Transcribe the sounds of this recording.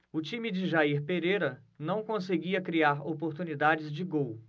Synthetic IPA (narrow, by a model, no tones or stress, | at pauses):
ʊt͡ʃĩmɪd͡ʒɪʒaiɾpeɾejɾɐ | nɐ̃w̃kõseɡiɐkɾiaɾopoɾt̪unid̪ad͡ʒɪzd͡ʒɪɡow